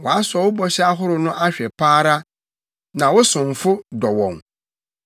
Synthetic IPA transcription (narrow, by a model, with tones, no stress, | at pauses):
wɔ˨a˦sʊ˨ɔ˨wʊ˦bɔ˨ɕɛ˦a˦ɦʊ˦ɾʊ˨nʊ̃˦ʔa˦ɕᶣɛ˨pʰaː˦ɾa˦ | nã˨wɔ˦sʊ̃˨ɱ˨fʊ˦dɔ˨wɔ̰̃˨ŋ